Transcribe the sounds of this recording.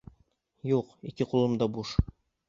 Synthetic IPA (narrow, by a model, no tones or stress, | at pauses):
juqikɘqulˠɤ̆md̪ɑbuʃ